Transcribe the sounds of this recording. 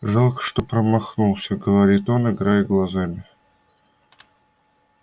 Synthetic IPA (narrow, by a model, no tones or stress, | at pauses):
ʐɑlˠkə̥ʂt̪opɾəmɑxnulˠsʲəɡəvɐɾʲit̪onɨɡɾajɡlˠazamʲɪ